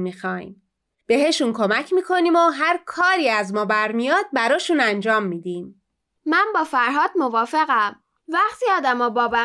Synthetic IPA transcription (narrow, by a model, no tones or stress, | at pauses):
mixɒːjm | b̥e̞ɦe̞ʃunkʰo̞mæcʰmiːkʰo̞niːmoɦæɾkʰɒːɾiːæzmɒːbæɾmijɒːd̪̚bæɾɒːʃuːnænd͡ʒɒːmːiːd̪iːm | mænbɒːfæɾɦɒːd̪̥̚movɒːfe̞ɣæm | væɢt̪ʰiɒːd̪æmɒːbɒːbæ